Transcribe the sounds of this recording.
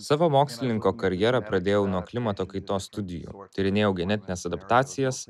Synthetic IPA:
sɑːʋomoːksʲlʲɪnʲɪŋkoːkɐɾʲjɛɾɐpɾɐd̪ʲeːjɛʊnuɔklʲɪmɐt̪oːkɐɪt̪oːsːt̪ʊd̪ʲɪjṵːt̪ʲɪɾʲɪnʲeːjɛʊɡʲɛnʲɛt̪ʲɪnʲeːsɐd̪ɐpt̪ɑːt̪sʲɪjɛs

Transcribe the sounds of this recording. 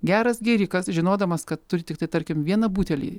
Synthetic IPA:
ɡʲæːɾɐsɡʲɛːɾʲɪkɐsʒʲɪnoːd̪ɐmɐskɐt̪ːʊɾʲɪt̪ʲɪkt̪ɐɪt̪ɐɾʲkʲɪmʋʲiɛnɐbuːt̪ʲɛlʲḭː

